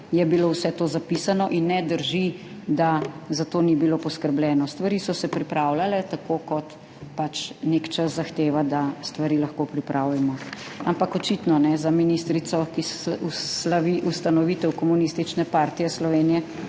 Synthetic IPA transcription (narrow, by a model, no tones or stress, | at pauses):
jɛbilowsɛt̪oːzapisanɔʔinːɛd̪əɾʒi | d̪azat̪oːnibiloːpɔskəɾblʲɛːnɔst̪ʋaɾiːsɔsɛpɾipɾawlalɛt̪akokɔt̪ | pat͡ʃnekt͡ʃəszaxt̪eːʋad̪ast̪ʋaɾiːlaxkoːpɾipɾʔawlɛmɔampakɔt͡ʃit̪nɔnɛzaminist̪ɾit̪sɔkisulaʋiʔust̪anɔʋiːt̪ɛwkɔmunist̪it͡ʃnɛpaːɾt̪ijɛslɔʋeːnijɛ